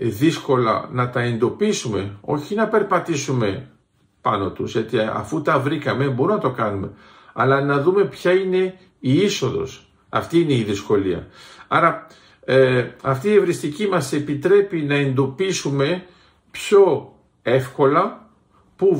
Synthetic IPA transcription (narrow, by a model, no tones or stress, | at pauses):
ðisko̞lɐ̰nɐt̪ɐe̞nd̪o̞pisume̞o̞̰çinɐpe̞ɾpɐt̪isume̞ | pɐno̞t̪uzʝɐt̪iɐ̰fut̪ɐvɾikɐme̞bo̞ɾumnɐt̪o̞kɐnume̞̰ | ɐlɐnɐðume̞pçɐine̞ | iiso̞ðo̞̰s | ɐ̰ft̪iːne̞iðisko̞liɐ̰ɐɾɐ | ɐft̪iːevɾist̪icimɐse̞pit̪ɾe̞pinɐe̞nd̪o̞pisume̞ | pço̞ | e̞fko̞lɐ | pu